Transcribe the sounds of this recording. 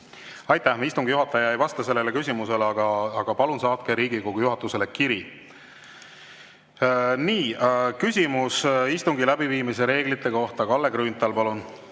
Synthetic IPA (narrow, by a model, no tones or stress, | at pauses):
ɑjt̪ːæhmist̪uŋɡ̥ijuɦɑt̪ːˑɑjɑejvɑst̪ɑse̞lːe̞lekysʲimuse̞lɑɡ̥ɑɑɡ̥ɑpɑlunsɑːt̪̚keɾiːɡ̥iko̞ɡ̥ujuɦɑt̪ːˑuse̞lekiɾi | niːkysʲimusist̪uŋɡilæbiviːmise̞ɾe̞ːɡ̥lit̪ˑːe̞ko̞ht̪ɑkɑlːe̞ɡ̥ɾyːnt̪ˑɑlpɑlun